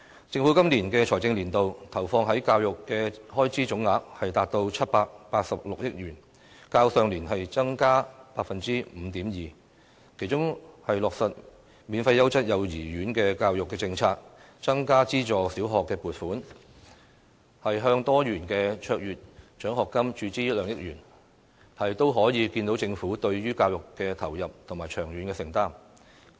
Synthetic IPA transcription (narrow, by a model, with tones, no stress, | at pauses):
t͡sɪ˧ŋfu˨˥kɐ˥mliː˨˩nkɛː˧t͡ʃʰɔː˨˩jt͡sɪ˧ŋliː˨˩nt̪o˨wt̪ʰɐ˨˩wfɔː˧ŋɦɐ˨˥jkaː˧wjʊ˨kːɛː˧hɔː˥jt͡siː˥t͡sʊ˨˥ŋːaː˨˥k̚hɐ˨jt̪aː˨˩t̚t̪o˧wt͡sʰɐ˥t̚paː˧k̚paː˧t̚sɐ˨p̚lʊ˨k̚jɪ˥k̚ɥyː˨˩n | kaː˧wsœː˨˧ŋliː˨˩nɦɐ˨jt͡sɐ˥ŋkaː˥paː˧k̚fɐ˨nt͡siː˥m̩˨˧t̪iː˨˥mjiː˨ | kʰe˨˩jt͡ʃʊ˥ŋhɐ˨jlɔː˨k̚sɐ˨t̚ | miː˨˧nfɐ˧jːɐ˥wt͡sɐ˥t̚jɐ˨˧wjiː˨˩ɥyː˨˥nkɛː˧kaː˧wjʊ˨kːɛː˧t͡sɪ˧ŋt͡sʰaː˧k̚ | t͡sɐ˥ŋkaː˥t͡siː˥t͡ʃɔː˨siː˨˥wɦɔː˨kːɛː˧puː˨t̚fuː˨˥n | hɐ˨jɦœː˧ŋt̪ɔː˥jyː˨˩nkɛː˧t͡ʃʰœː˧k̚jɥyː˨t̚t͡ʃœː˨˥ŋhɔː˨kːɐ˥mt͡ʃyː˧t͡siː˥jɐ˥lœː˨˧ŋjɪ˥k̚jyː˨˩n | hɐ˨jt̪o˥wɦɔː˨˥jiː˨˧ki˧nt̪o˨˥wt͡sɪ˧ŋfuː˨˥t̪ɵ˧ɥɥyː˥kaː˧wjʊ˨kːɛː˧t̪ʰɐ˨˩wjɐ˨p̚t̪ʰʊ˨˩ŋmaː˨jt͡ʃʰœː˨˩ŋɥyː˨˥nkɛː˧sɪ˨˩ŋt̪aː˥m